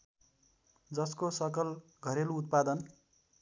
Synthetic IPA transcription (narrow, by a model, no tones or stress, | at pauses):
d͡zʌskosʌkʌl | ɡʱʌɾeluut̪̚pad̪ʌn